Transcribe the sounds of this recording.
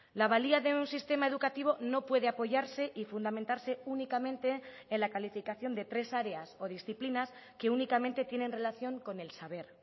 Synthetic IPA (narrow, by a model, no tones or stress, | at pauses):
laβ̞aliaðe̞unsist̪e̞mae̞ð̞ukat̪iβ̞o̞no̞pwe̞ð̞e̞apo̞ʝaɾse̞ʔifund̪ament̪aɾse̞unikamẽ̞nt̪e̞ː | nlakalifikaθjo̞nd̪e̞t̪ɾe̞saɾe̞aso̞ð̞isθiplinaske̞unikament̪e̞t̪jene̞nre̞laθjo̞ŋko̞ne̞lsaβ̞e̞ɾ